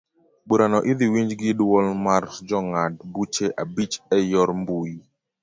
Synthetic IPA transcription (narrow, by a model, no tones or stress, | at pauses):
ɓuɾanɔʔid̪iwiɲd͡ʒɡɪdwɔlmard͡ʒɔŋad̚but͡ʃeʔabit͡ʃɛjɔɾmbui